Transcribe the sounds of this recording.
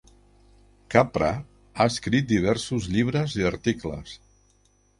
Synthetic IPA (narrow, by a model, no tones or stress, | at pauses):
kapɾa̰ | aəskɾit̪̚d̪iβ̞ɛɾsuzʎiβ̞ɾəziaɾt̪iklə̰s